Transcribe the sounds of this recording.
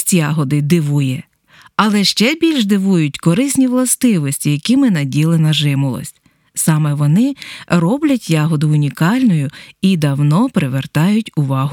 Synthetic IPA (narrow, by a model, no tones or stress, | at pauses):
tʲjɑɦɔd̪ɪd̪ɪʋujɛ | ɐlˠɛʃt͡ʃɛbʲilʲʒd̪ɪʋujʊtʲkɔɾɪsʲnʲiʋlˠɐst̪ɪʋɔsʲtʲijɐkʲimɪnɐdʲilˠɪnɐʒɪmʊlˠɔ̰sʲtʲ | sɑmɛʋɔnɪrɔblʲɐtʲjɑɦɔd̪ʊʊnʲikɑlʲnɔjʊid̪ɐwnɔpɾɪʋert̪ɑjʊtʲʊʋɑɦʊ